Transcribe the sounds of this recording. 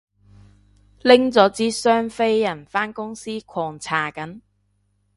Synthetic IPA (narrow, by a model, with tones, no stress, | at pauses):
lɪ˥ŋt͡sɔː˨˥t͡siː˨˥sœː˥ŋfe˥jjɐ˨˩nfaː˥nkʊ˥ŋsiː˥kʰɔː˨ŋt͡sʰaː˨˩kɐ˨˥n